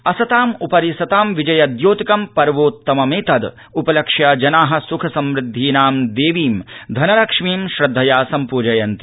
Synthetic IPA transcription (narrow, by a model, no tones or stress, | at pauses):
ɐsɐt̪aːmupɐɾisɐt̪aːmʋid͡ʒɐjɐd̪joːt̪ikɐmpɐɾʋoːt̪ːɐmɐmeːt̪ɐd̪ | upɐlɐkʂjɐd͡ʒɐnaːɦɐ̆sukʰɐsɐmɾɪd̪ʱːiːnaːmd̪eːʋiːmd̪ʱɐnɐɾɐkʂmiːmʃɾɐd̪ʱːɐjaːsɐmpuːd͡ʒɐjɐnt̪i̥